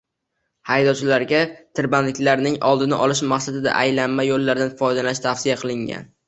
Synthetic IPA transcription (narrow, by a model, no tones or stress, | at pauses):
hajd̪ɒwt͡ʃʰɪlaɾɡʲat̪ʰɪɾbanlɪkʲlaɾnɪŋʔɒlˠd̪ɪnɪ̰ʔɒlˠɪʃmaχsad̪ɪd̪a̰ʔajlanmajolːaɾd̪anfɒjd̪alanɪʃt̪ʰafsɪjaqʰɨlɪŋɡʲa̰n